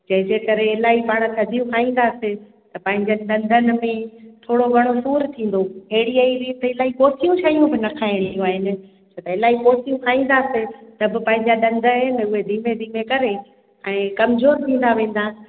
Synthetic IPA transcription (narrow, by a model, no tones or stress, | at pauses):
d͡ʑɐ̃ɦɪ̃d͡ʑeːkɐɾeɪlaːɦipaːɽ̃t̪ʰɐd̪ʱijũkʰaːĩːn̆d̪aːsɪ | t̪ɐpɐ̃ɦɪ̃ɲd͡ʑənɪɗɐ̃nd̪ʱənɪ̆mẽt̪ʰoːɽoɡʱɐɽ̃osuːɾt̪ʰĩːn̆d̪oɦeːɪɽiaiɾiːt̪əɪlaːɦipoːt̪ijũt͡ɕʰaːijũbɪnɐkʰaːɪɽ̃ijoaːɦɪnɪ̆ | t͡ɕʰot̪ɐɪlaːɦipoːt̪ijũkʰaːĩːn̆d̪aːset̪ɐbɪpɐ̃ɦɪ̃ɲd͡ʑaɗɐ̃nd̪ʱəɪnɪ̆ʊɦed̪ʱiːmed̪ʱiːmẽkɐɾe | ɛ̃ːkɐmzoːɾt̪ʰĩːn̆d̪aʋẽːn̆d̪a